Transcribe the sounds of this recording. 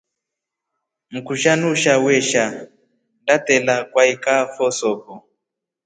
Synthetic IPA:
m̩kuʃanuʃawɛʃa | ndatɛlakwaikafɔsɔpɔ

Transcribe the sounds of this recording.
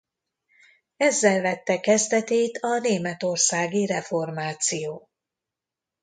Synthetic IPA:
ɛzːɛlvɛt̪ːɛkɛzd̪ɛt̪eːt̪ʰɒneːmɛt̪o̞rsaːɡiɾɛfo̞rmaːt̪sijoː

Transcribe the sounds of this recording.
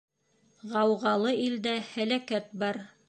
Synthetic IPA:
ʁɑwʁɑlˠɤild̪æhælækæt̪̚bɑɾ

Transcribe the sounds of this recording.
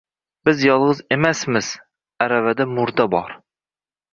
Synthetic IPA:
bɪzjɑlˠʁəzemɛsmɪz̥ | æɾɛvɛd̪ɛmuɾd̪ɑbɑ̰ɾ

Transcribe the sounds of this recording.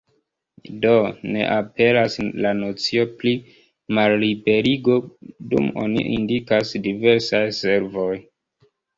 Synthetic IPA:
done̞̰ʔape̞laslano̞t͡sio̞pli | malːibe̞ɾiɡo̞dṵmo̰nḭʔḭndikasdive̞ɾsajse̞ɾvo̞j

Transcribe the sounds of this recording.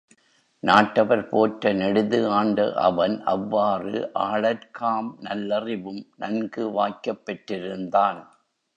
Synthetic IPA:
naːʈːɐʋɐɾpoːʈɾɐnɛɽɯðɯaːɳɖɐ̰ʔɐ̰ʋɐnʔɐ̰ʋːaːrɯ̰ʔaːɭɐɾkʰaːmnɐlːɐrɪʋɯmnɐnɡɯʋaːkːɐpːɛʈːɪɾɯnd̪aːn

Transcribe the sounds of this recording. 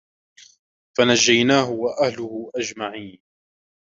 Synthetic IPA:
fanad͡ʒːajnaːɦʊwaʔahlʊhʊʔad͡ʒmaʕiːn

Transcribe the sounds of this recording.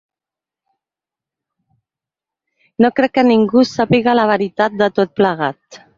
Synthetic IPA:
nokɾɛkːəniŋɡusapiɣalaβ̞əɾit̪at̪̚d̪ət̪ot̪̚pləɣ̞at̪

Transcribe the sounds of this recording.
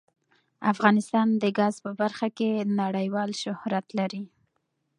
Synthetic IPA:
afɣɑnɪst̪ɑnd̪əɡɑzpəbaɾxakenaɽəjwɑlʃʊhɾat̪laɾi

